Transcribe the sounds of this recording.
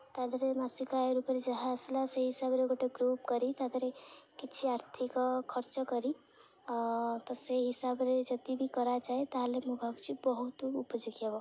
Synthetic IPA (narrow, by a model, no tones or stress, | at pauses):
t̪ad̪ʱɾemasikaɾupɾed͡ʒəɦaslaseɦisabɾeɡoʈeɡɾupkəɾit̪ad̪ɾekit͡ʃʰiaɾt̪ʰikkʰəɾt͡ʃəkəɾi | t̪ɔseɦisabɾed͡ʒət̪ibʱikəɾat͡ʃaɦit̪aɦalemubʱəbt͡ʃʰibəɦut̪upəd͡ʒuɡijabɔ